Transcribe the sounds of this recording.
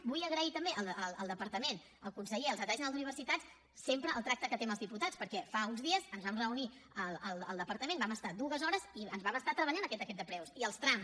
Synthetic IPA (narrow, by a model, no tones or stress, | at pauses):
bujəɣɾəit̪əmbeʔəlˠəlˠəlˠd̪əpəɾt̪əmen | əlˠkunsəʎeəlzəɛʒnalˠzuniβərsit̪at͡s | sempɾəːlˠt̪ɾak̚t̪əkət̪eməlzðiput̪at͡spəɾkɛfaunzðiəzənzβamrəuni | ələlˠəlˠd̪əpəɾt̪əmẽnbaməst̪ad̪uɣəzɔɾəziənzβaməst̪at̪ɾəβəʎanəkɛt̪əkɛt̪̚d̪əpɾɛwsiəlˠst̪ɾam